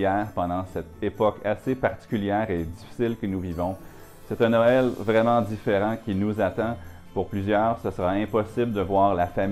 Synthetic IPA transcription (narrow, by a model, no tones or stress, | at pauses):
ɛːʁpɑ̃d̪ɑ̃sɛt̪epɔkasepaʁt̪i̥kʲyljɛːʁed̪ifi̥sɪlkənuvivɔ̃ | sɛt̪ɛ̃nɔɛlvʁɛmɑ̃d̪ifeʁɑ̃kʲinuzat̪ɑ̃ | puʁplyzjœːʁsəsəʁaɛ̃pɔsɪbləd̪əvwaːʁlafam